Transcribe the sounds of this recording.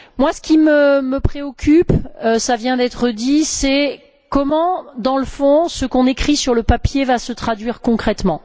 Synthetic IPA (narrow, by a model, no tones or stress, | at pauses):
mwasə̥kʲiməməpχeɔkʲʰypøsavjɛ̃d̪ɛt̪χəd̪isɛ | kɔmɑ̃d̪ɑ̃ləfɔ̃səkɔ̃nekχisyʁləpapjevasət̪χad̪ɥiʁkɔ̃kχɛt̪mɑ̃